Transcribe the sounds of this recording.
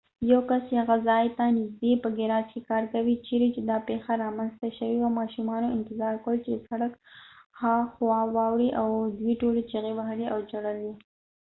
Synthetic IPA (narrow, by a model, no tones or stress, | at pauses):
jawkasaɣazɑjt̪anɪzd̪epəɡɪɾɑt͡ʃkekɑɾkawit͡ʃeɾet͡ʃed̪ɑpexaɾɑmanst̪aʃəwiwamɑʃumɑnoɪnt̪ɪzɑɾkwəlt͡ʃesaɽakxaxwɑwɑwɽiʔawd̪wiʈolet͡ʃaɣebaɦaliʔawd͡ʒaɽəli